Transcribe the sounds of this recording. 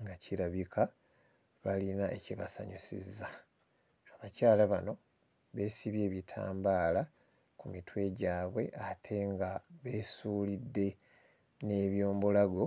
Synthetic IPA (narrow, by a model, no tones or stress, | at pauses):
ŋɡaciɾaβikʰa | βalinaʔe̞̰ciβa̰sa̰ɲusḭzːaː | βacaːlaβano̞ | βe̞siβje̞ːβitʰa̰ːmbaːla | kumitwe̞ɟaːβwe̞ʔatʰe̞ŋɡaβe̞ːsuːlidːe̞ | ne̞ːβjo̞ːmbolaɡo̞